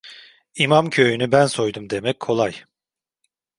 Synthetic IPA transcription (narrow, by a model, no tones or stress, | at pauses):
imamcʰø̞jynybænso̞jd̪umd̪emɛc̚ʲkʰo̞lˠaj